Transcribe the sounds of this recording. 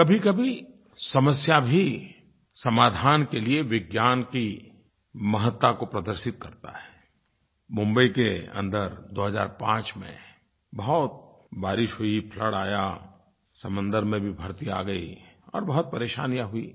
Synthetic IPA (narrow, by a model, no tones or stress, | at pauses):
kɐbʱikɐbʱi | sɐməsjabʱi | sɐmaːd̪ʱaːnkelieʋɪɡjaːnki | mɐɦət̪ːakopɾɐd̪əɾʃɪt̪̚kɐɾt̪a̰ɦɛː | mʊ̃mbəikeɐ̰̃nd̪əɾd̪oːɦəza̰ːɾpãːt͡ʃmḛ̃ | bɐɦɔt̪̚ | baːɾɪʃɦuipʰləɽaːja | sɐmə̃nd̪əɾmẽbʱibʱɐɾt̪ia̰ːɡɐḭɔ̰ːɾbɐɦɔt̪̚pɐɾeːʃa̰ːnijaɦʊi